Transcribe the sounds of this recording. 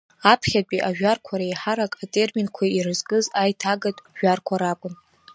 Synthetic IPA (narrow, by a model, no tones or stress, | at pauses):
apʰχʲat͡pʲʷʼiʔaʒᶣarkʷʰaɾajħaɾakʼatʼe̞rminkʷʰairɨzɡʼɨzajtʰaɡatʼʒᶣarkʷʰaɾakʷʼʊn